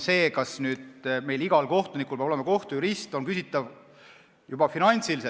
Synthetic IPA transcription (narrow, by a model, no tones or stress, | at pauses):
se̞ːkɑsnyːd̪̥me̞jliɡɑlko̞ht̪unikːˑulpebolemɑko̞ht̪ujuɾist̪o̞nkysit̪ːˑɑv | jubɑfinɑnt̪silise